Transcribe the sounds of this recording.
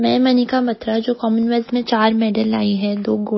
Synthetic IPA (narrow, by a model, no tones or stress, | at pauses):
mɛ̃ːmɐnɪkamɐt̪ɾad͡ʒoːkɔːmənʋɛzmẽt͡ʃaːɾmeːɖəla̰ːiɦɛ̃d̪oːɡo